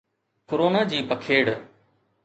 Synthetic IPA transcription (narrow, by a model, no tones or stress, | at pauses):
kʊɾoːnaːd͡ʑiːpəkʰeːɽ